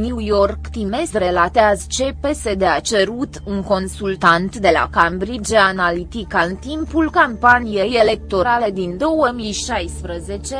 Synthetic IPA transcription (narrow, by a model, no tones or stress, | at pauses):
niujorkt̪imesre̞lat̪eazt͡ʃe̞pe̞se̞d̪eat͡ʃeɾut̪uŋko̞nsult̪ant̪d̪e̞la̰kambɾid͡ʒanalit̪ikaɨnt̪impulkampanije̞je̞le̞k̚t̪o̞ɾale̞d̪ind̪o̞wəmijʃajspɾəze̞t͡ʃe̞